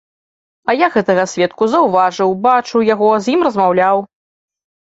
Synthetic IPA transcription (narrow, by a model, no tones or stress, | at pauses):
ɐjaɣɛt̪ɐɣɐsʲvʲɛt̪̚kuzɐwvaʐɨwbat͡ʂɨwjaɣɔzʲjimrɐzmawlʲaw